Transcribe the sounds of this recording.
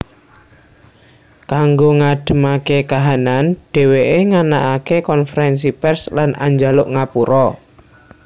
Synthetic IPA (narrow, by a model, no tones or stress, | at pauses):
kaŋɡoŋaɖ̥ə̤makekaɦananɖ̥e̤weʔeŋanaʔakekɔnfəɾɛns̬ipɛrslanʔa̰ɲd͡ʒalʊʔŋapuɾɔ